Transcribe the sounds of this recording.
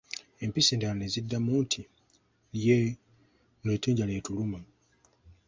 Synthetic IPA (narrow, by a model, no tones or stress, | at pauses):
empiseːndanezidːamutʰi | lje | neteːɲɟaletuluma